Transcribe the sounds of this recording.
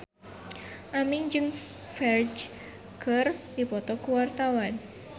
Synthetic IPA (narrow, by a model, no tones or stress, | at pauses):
ʔamɪŋd͡ʒɨŋ | fɛrd͡ʒ | kərdipɔt̪ɔkuwart̪awan